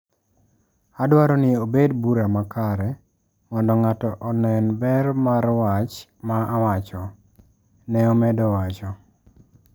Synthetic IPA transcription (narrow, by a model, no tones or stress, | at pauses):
adwaɾɔnɪobedbuɾamakaɾɛ | mɔndɔŋatɔʔɔnɛnbɛrmaɾwat͡ʃmaʔawat͡ʃɔ | nɛomɛdɔwat͡ʃɔ